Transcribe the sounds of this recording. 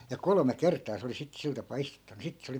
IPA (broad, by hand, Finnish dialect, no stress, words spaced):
jɑ kolome kertˑɑː se oli sit sil tɑpɑː istutːɑnu sit se oli